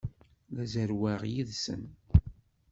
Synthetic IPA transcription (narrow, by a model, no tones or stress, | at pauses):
ðæzəɾwæʁjiðsə̰n